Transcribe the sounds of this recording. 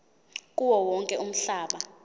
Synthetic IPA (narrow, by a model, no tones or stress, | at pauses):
kʼuwɔwɔŋkʼɛum̩ɬaːɓa